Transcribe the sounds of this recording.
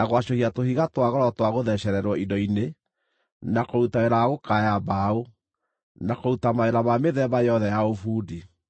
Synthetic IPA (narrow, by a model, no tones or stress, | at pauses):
naɣwaɕohiatohiɣatwaɣɔɾɔtwaɣoðɛɕɛɾɛɾwɔindɔine | nakoɾutaeɾaaɣokajabao | nakoɾutamaeɾamameðɛbajɔðɛjaofuːdi